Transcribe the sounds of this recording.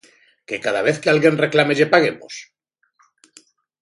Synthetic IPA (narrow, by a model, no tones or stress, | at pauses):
ke̞kaðaβ̞e̞θkealɣje̞nre̞klame̞ʎepaɣ̞emo̰s